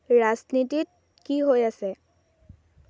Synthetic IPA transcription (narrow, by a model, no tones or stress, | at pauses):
ɹaznitit̚ | kiɦojasɛ